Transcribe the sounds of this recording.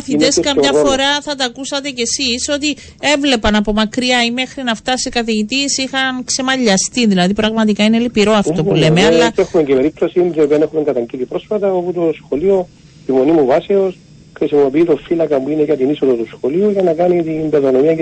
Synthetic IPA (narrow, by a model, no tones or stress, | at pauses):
ɐθieskɐmɲɐfo̞ɾɐθɐt̪ɐkusɐt̪e̞ce̞siso̞t̪i | e̞vle̞pɐnɐpo̞mɐkɾiɐime̞xɾinɐft̪ɐsikɐθeʝit̪isixɐnkse̞mɐʎːɐst̪iðilɐðipɾɐɣmɐt̪ikɐinelipiɾo̞ɐft̪o̞pule̞meɐlːɐexumeɲcepeɾip̚t̪osint̪iopiɐnexumeŋɡɐt̪ɐɲɟit̪ipɾo̞sfɐt̪ɐoput̪o̞sxo̞lio̞ | t̪imo̞nimuvɐseo̞s | xɾisimo̞piiːt̪ofːilɐkɐmuineʝɐt̪inisoðot̪usxo̞liuʝɐnɐkɐnit̪inb̪elonomiɐ